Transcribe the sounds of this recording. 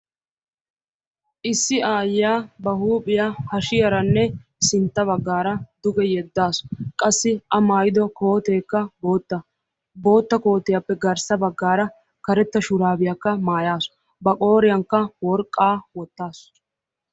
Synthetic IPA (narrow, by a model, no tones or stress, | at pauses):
ʔɪsːɪaːjːaːbɐhuːpʼɪjahɐʃɪjɐɾɐnːɛsɪnt̪ːɐβɐɡːaːɾɐd̪ʊɡɛjɛd̪ːaːskʼɐsːɪɐmaːjɪd̪ɔko̞ːt̪eːkːɐboːt̪ːɐ | bo̞ːt̪ːɐko̞ːt̪ːɪjapːɛɡɐɾsɐbɐɡːaːɾɐ | kɐɾɛt̪ːɐʃʊɾaːbɪjɐkːɐmaːjaːsɔ̥ | bɐkʼo̞ːɾɪjɐŋkːɐwɔɾkʼːaːwɔt̪ːaːs